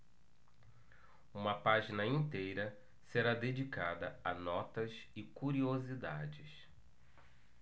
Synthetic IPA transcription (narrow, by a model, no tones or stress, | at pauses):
ũmɐpaʒinɐĩnt̪ejɾɐ | seɾad̪ed͡ʒikad̪ɐɐnɔt̪ɐsɪkuɾiozid̪a̰d͡ʒɪs